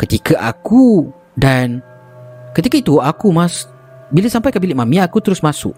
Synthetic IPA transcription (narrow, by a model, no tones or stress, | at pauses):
kət̪ikaʔa̰ku | dan | kət̪ikait̪uakumãs | bilasampajkabilɪʔmãmĩaakut̪əɾʊsmãsʊ̰ʔ̚